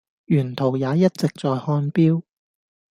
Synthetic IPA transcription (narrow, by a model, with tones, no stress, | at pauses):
jyː˨˩nt̪ʰo˨˩wjaː˨˧jɐ˥t̚t͡sɪ˨k̚t͡sɔː˨jhɔː˧˥npiː˥w